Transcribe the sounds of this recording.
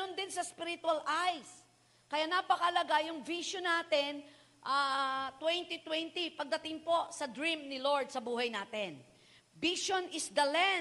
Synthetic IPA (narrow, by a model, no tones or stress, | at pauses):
ond̪ɪnsɐspɪɾɪt̪ʊɐlʔajs | kɐjanapɐkɐʔɐlɐɡajʊŋviʃonːaːt̪ɛn | ʔat̪wɛnt̪it̪wɛnt̪ipɐɡ̚d̪ɐt̪ɪŋpo̞sɐd̪ɹimnɪloɹd̪̚sɐbuːhɐjnaːt̪ɛn | viʃonɪsd̪ɐlɛ